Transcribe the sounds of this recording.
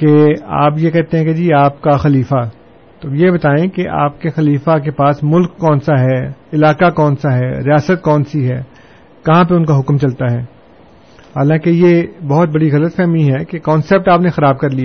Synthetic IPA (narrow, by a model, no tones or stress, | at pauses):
kea̰ːpjekɛɦt̪eɦɛ̃ked͡ʒiːaːpkaxɐliːfa | t̪ojebɐt̪aːẽkeʔa̰ːp̚kexɐliːfak̬epaːsmʊlkːɔːnsaɦɛːɪlaːkakɔːnsaɦɛːɾijaːsət̪̚kɔːnsiɦɛː | kɐɦãp̬eʊnkaɦʊkmt͡ʃɐlt̪aɦɛː | haːlãːkejebɐɦʊt̪̚bɐɽiɣɐlət̪fɛːɦmiɦɛkekɔːnseːp̚ʈaːpnexɐɾaːb̚kɐɾlia